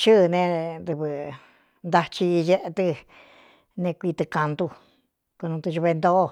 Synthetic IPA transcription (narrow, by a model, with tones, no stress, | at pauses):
t͡ʃɨ˦˨nẽ˧d̪ɨ˧βɨ˧ | nd̪a˧t͡ʃi˧je˦ʔe˧t̪ɨ˧ | nẽ˧kʷi˧t̪ɨ˧ka˧nd̪u˧ | ko˧nũ˧t̪u˧ʒu˧βe˧nd̪o˦ʔ